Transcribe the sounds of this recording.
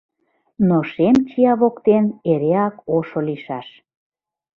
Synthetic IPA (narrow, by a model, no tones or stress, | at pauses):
noʃemt͡ɕiɑβokt̪eneɾeɑkoʃoliʃɑʃ